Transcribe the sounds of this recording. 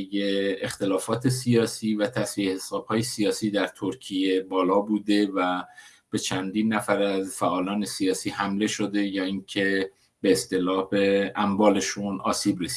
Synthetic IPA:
jeext̪e̞lɒːfɒːt̪ʰesijɒːsiːvæt̪ʰæsvihesɒːb̥hɒːjesijɒːsiːd̪æɾt̪ʰoɾcʰije̞bɒːlɒːbuːd̪e̞væ | b̥e̞t͡ʃʰænd̪iːnːæfæɾæzfæʔɒːlɒːne̞sijɒːsiːhæmle̞ʃo̞d̪e̞jɒːiːcʰe̞ | b̥e̞ːst̪e̞lɒːhbe̞æmbɒːle̞ʃunɒ̰ːsiːbɾesi̥

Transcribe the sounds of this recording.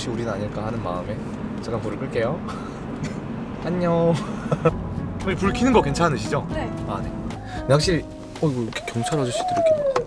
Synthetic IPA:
ɕ͈iuɾinɯnaɲiɭk͈ahanɯnma̰ɯme̞ | t͡ɕak͈ankuɾɯɭk͈ɯɭk͈e̞jo | aɲːo | kɯipuɭkʰinɯnɡʌkwe̞nt͡ɕʰannɯɕ̬ʰid͡ʑoane̞ | nehakɕ͈iɭ | ʌiɡokʰe̥kjʌŋt͡ɕʰaɾʌd͡ʑuɭɕ͈i̥d͈ɯɾjikenia

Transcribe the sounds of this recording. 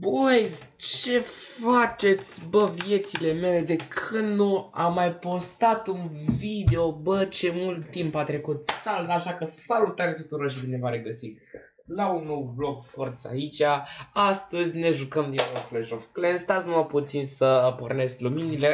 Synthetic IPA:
bojz | t͡ʃe̞fat͡ʃe̞t̪sʲbəvje̞t̪sile̞me̞le̞d̪e̞kʰɨnnuamːajpo̞st̪at̪unvid̪e̞o̞bət͡ʃe̞mult̪ːimpat̪ɾe̞kut̪salut̪aʃakəsalut̪aɾet̪ut̪uɾorʃ̬ibine̞vaɾe̞ɡəsik | launːowblo̞kfort̪səa̰it͡ʃʲaast̪əzʲne̞ʒukəmd̪inoplejʒofklenst̪asnumaput̪sinsəporne̞skluminile̞

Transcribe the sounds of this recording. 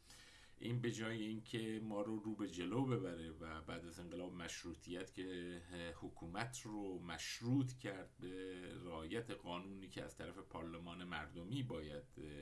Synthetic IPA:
ʔiːnbe̞d͡ʒɒːje̞iːncʰe̞mɒːɾoɾuːbe̞d͡ʒe̞lobe̞bæɾe̞væbæːd̪æze̞ŋɢelɒːbemæʃɾuːt̪ʰijæt̪cʰe̞hokʰuːmæt̪ʰromæʃɾuːt̪ʰcʰæɾd̪̚beɾeɒːjæt̪ʰe̞ɣɒːnuːniːcʰeæ̰z̥t̪ʰæɾæfe̞pʰɒːɾle̞mɒːne̞mæɾd̪o̞miːbɒːjæd̪

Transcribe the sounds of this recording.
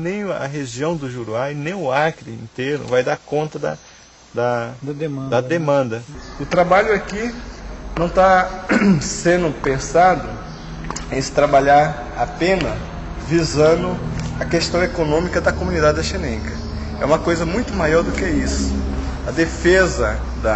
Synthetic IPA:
nẽj̃ɐ̰ɦeʒiɐ̃w̃d̪ʊʒuɾwajnẽj̃ʊaɾkɾɪḭ̃nt̪enʊ̰vajd̪aɾkõnt̪ɐd̪ɐ̰ | d̪ɐd̪d̪̃d̪ɐd̪emɐ̃nd̪ɐʊt̪ɾabaʎʊakinɐ̃w̃t̪a | sẽnd̪ʊpẽsad̪ʊ | ẽj̃sɪ̥t̪ɾabaʎaɾ | apẽnɐ | vizɐ̃d̪ʊɐkest̪ɐ̃w̃ekonõmikɐd̪ɐkomũnid̪ad͡ʒɪɐʃinẽŋkɐ | ɛ̰ũmɐkojzɐmũj̃t̪ʊmajɔɾd̪ʊkɛisʊ̥ɐd̪efezɐ | d̪ɐ

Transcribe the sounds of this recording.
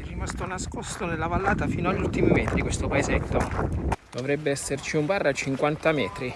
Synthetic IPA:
ɛrːimast̪onaskost̪onelːavalːaːt̪afiːnoaʎːult̪imimɛːt̪ɾikwest̪opaezet̪ːod̪̥ovɾɛbːeɛsːert͡ʃiumbarːat͡ʃːiŋkwant̪amɛːt̪ɾi

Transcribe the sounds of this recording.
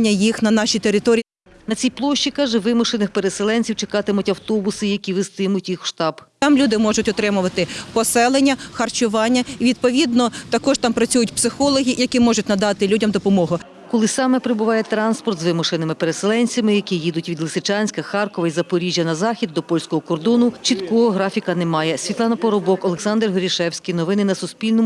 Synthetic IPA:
nʲːɐjixnɐnɑʃijt̪eɾɪt̪ɔɾʲi | nɐt͡sʲijplˠɔʃʲt͡ʃikɑʒɛʋɪmʊʃenɪxpeɾeselˠɛnʲt͡sʲiwt͡ʃekɑt̪ɪmʊtʲɐwt̪ɔbʊsɪjɐkʲiʋɪst̪ɪmʊtʲjixʃt̪ɑbt̪ɑmlʲud̪ɪmɔʒʊtʲɔt̪ɾɪmʊʋɐt̪ɪpɔsɛlˠenʲːɐxɐrt͡ʃʊʋɑnʲːɐiʋʲid̪̚pɔʋʲid̪nɔt̪ɐkɔʒt̪ɑmpɾɐt͡sʲujʊtʲpsɪxɔlˠɔɦʲijɐkʲimɔʒʊt̚ʲnɐd̪ɑt̪ɪlʲudʲɐmd̪ɔpɔmɔɦʊ | kɔlˠɪsɑmɛpɾɪbʊʋɑjɛt̪ɾɑnspɔrt̪zʋɪmʊʃɪnɪmɪpeɾeselˠɛnʲt͡sʲɐmɪjɐkʲijid̪ʊtʲʋʲid̪lˠɪsɪt͡ʃɑnʲsʲkɐxɑrkɔʋɐjizɐpɔɾʲiʒʲjɐnɐzɑxʲid̪ːɔpɔlʲsʲkɔɦɔkɔrd̪ɔnʊt͡ʃit̪kɔɦɔɦɾɑfʲikɐnɛmɑjɛsʲʋʲit̪lˠɑnɐpɔɾɔbɔkɔlˠeksɑnd̪rɦɔɾʲiʃɛwsʲkʲijnɔʋɪnɪnɐsʊsʲpʲilʲnɔm

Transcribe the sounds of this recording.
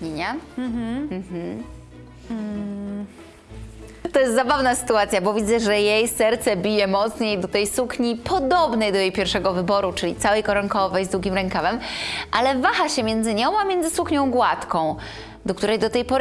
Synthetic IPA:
ɲeɲa | m̩m̩ | t̪ɔjɛst̪zabavnasɘ̥t̪uat̪sʲjabɔvʲid̪zɛʐɛjejsɛɾt̪sɛbʲijɛmɔt̪sɲejd̪ɔt̪ɛjsukɲipʰɔd̪ɔbnɛjd̪ɔjejpʲjɛɾfʂɛɡɔvɘbɔɾut͡ʂɘlʲit̪sawɛjkɔɾɔŋkɔvɛjzd̪wuɡʲimɾɛŋkamɛmʔalɛvaxaɕɛmʲjɛnd̪zɘɲɔ̃w̃amʲjɛnd̪zɘsukɲɔ̃w̃ɡwat̪kɔ̃w̃ | d̪ɔk̚t̪uɾɛjd̪ɔt̪ɛjpɔɾ

